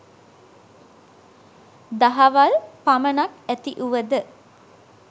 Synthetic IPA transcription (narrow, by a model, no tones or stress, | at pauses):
d̪aɦaʋalpamənakæt̪iʔuʋəd̪ə